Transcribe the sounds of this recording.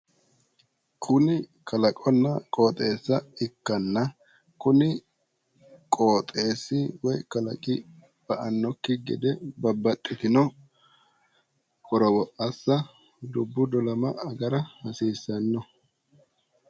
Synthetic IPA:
kʰʊnɪkʰɐlɐkʼɔnːɐkʼo̞ːt̪ʼe̞ːsːɐɪkːɐnːɐ | kʊnɪ | kʼoːt̪ʼe̞ːsːɪwɔjkɐlɐ̰kʼɪ | b̥ɐʔɐnːɔkːɪɡɛ̰d̪ɛbɐbːɐt̪ʼːɪt̪ɪnɔ | kʼɔɾɔwɔʔɐsːɐ | d̪ʊbːʊd̪ɔlɐmɐɐɡɐɾɐmɐsiːsːɐnːɔ

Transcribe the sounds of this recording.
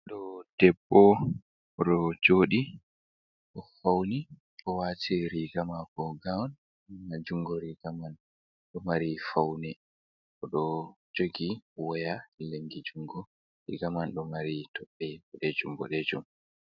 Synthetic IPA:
ɗɔd̥ɛbːɔ | ɔɗɔd͡ʒoːɗi | ʔɔfawni | ʔɔwatiɾiɡamakɔɡawɔn | ad͡ʒuŋɡɔɾiɡ̥aman | ɗɔmaɾifawnɛ | ɔɗɔd͡ʒoɡiwɔjaleŋɡid͡ʒuŋɡɔ | ɾḭɡamanɗɔmaɾitʰɔɓːɛbɔɗɛd͡ʒumbɔ̰ɗɛd͡ʒum

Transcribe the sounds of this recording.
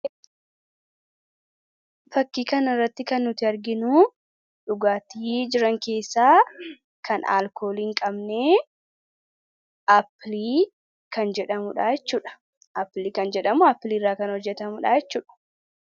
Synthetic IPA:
fɐkːiːkɐnɪrːɐt̪ːɪkɐnːʊt̪ɪɐɾɡɪnʊ | ᶑʊɡaːt̪iːd͡ʒɪɾɐŋke̞ːsːaː | kʰɐna̰ːlkʰo̞ːliːŋkʼɐbneː | ʔɐpːliː | kɐnd͡ʒɛᶑɐmʊᶑaːjɛt͡ʃːuːᶑɐ̥ | ʔɐpːliːkɐnd͡ʒɛᶑɐmʊɐpːliːrːaːkɐnhɔd͡ʒːɛt̪ɐmʊᶑaːjɛt͡ʃːuːᶑɐ̥

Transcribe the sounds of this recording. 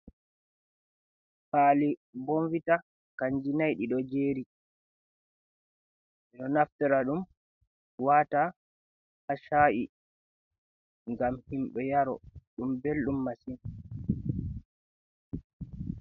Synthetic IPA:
faːliboɱvita | kaɲd͡ʒinajɗiɗɔd͡ʒeːɾi | ɗɛɗɔnaftɛɾaɗum | wata | haʃaʔi | ŋɡamhimɓɛjaɾɔ̰ɗumbelɗumːasin

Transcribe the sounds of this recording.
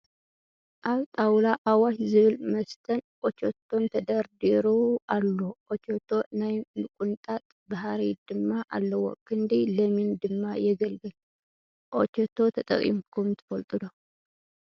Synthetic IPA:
ʔaβt̪ʼawlaʔawaʃzɨβɨlməst̪ʰənʔot͡ʃot̪ʰːo̞nt̪ʰəd̪əɾd̪eɾoalːoʔot͡ʃot̪ʰːo̞najmɨkʼunt̪ʼat̪ʼbaɦaɾid̪̥ɨmːaʔa̰lːəwɔ̰kʼːɨnd̪iləmind̪ɨmːajɛɡəlɡɨl | ʔo̰t͡ʃɛt̪ʰːo̞t̪ʰət̪ʼə̰kʼḭmkʰomt̪ʰɨ̥fəlt̪ʼɨd̪o

